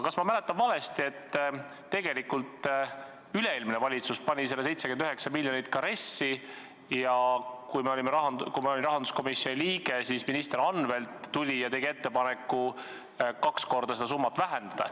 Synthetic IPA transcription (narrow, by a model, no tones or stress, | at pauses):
kɑsmɑmæle̞t̪ːˑɑnvɑle̞st̪ie̞t̪ː | e̞ɡe̞likult̪ | yleeːlminevɑlʲit̪suspɑnʲise̞lːese̞jt̪sekend̪yɦeksɑmiljonit̪kɑɾe̞sːi | jɑkujmeo̞lʲimɾɑɦɑnd̪kujmɑolinrɑɦɑnd̪usko̞misjo̞nʲiliːɡ̥e̞sisminist̪eɾɑnve̞lt̪ːulʲijɑt̪e̞ɡie̞t̪ːe̞pɑne̞kˑːu | kɑksko̞rd̪̥ɑse̞d̪ɑsumːɑt̪ːˑvæɦe̞nd̪̥ɑd̪̥ɑ̰